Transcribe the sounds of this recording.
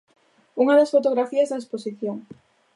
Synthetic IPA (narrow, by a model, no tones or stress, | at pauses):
uŋɐðɐsfot̪oɣɾafiɐzðaesposiθjoŋ